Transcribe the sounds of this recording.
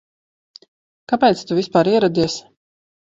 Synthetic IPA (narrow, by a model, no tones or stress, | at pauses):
kapɛjt̪st̪uvʲispaːɾiɛɾɔd̪ʲiɛs